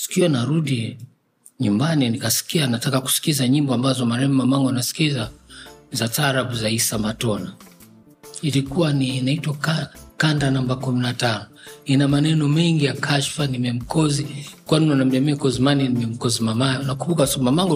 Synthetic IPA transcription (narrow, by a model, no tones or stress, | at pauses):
si̥kiwanaɾuɗi | ɲumbaninikasi̥kianatakaku̥si̥kizaɲimbɔambazɔmaɾɛmmamaŋɡɔanasi̥kizazataɾabuzaisamatɔna | ilikuwaninaitwakakandanambakuminatanɔ | inamanɛnɔmɛŋɡijakʰaʃfanimɛm̩kɔzikwanunɔnam̩ɛmɛkɔzimaninimɛm̩kɔzimamanakuɓukasmamaŋɡɔ